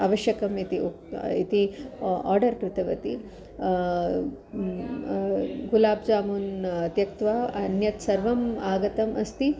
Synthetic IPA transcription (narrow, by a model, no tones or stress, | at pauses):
aːʋɐʃjɐkɐmit̪i | ḭt̪ia̰ːɾɖɐɾkɾɪt̪ɐʋɐt̪i | ɡulaːbd͡ʒaːmunɐt̪jɐk̚t̪ʋaːɐnjɐt̪sɐɾʋɐmaːɡɐt̪ɐmʔɐst̪i